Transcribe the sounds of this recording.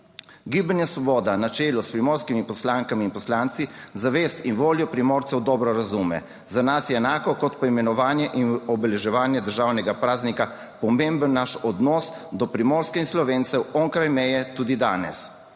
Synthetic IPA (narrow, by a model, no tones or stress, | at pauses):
ɡiːbənjasʋɔbɔːd̪anat͡ʃeːlɔspɾimoːɾskimipɔslaːŋkamiːnpɔslaːnt̪sizaʋeːst̪inʋoːljɔpɾimoːɾt̪sɛwd̪ɔːbɾɔɾazumɛ̰ | zanasjɛːnaːkɔkɔt̪pɔimɛnɔʋaːnjɛʔinɔbɛlɛʒɛʋaːnjɛd̪əɾʒaːwnɛɡapɾaːznika | pɔmembənːaʃɔd̪nɔs | d̪ɔpɾimɔːɾskɛinslɔʋeːnt̪sɛwɔŋkɾajmɛjɛt̪uːd̪id̪aːnɛ̰s